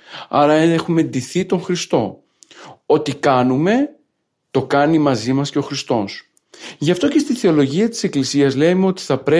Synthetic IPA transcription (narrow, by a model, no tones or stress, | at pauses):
ɐɾɐeexume̞nd̪iθit̪o̞ŋxɾist̪o̞ | o̞t̪ikɐnume̞ | t̪o̞kɐnimɐzimɐsceo̞xɾist̪o̞s | ʝɐft̪o̞ce̞st̪iθe̞o̞lo̞ʝiɐt̪i̥se̞klisiɐzle̞meo̞t̪i̥θɐpɾe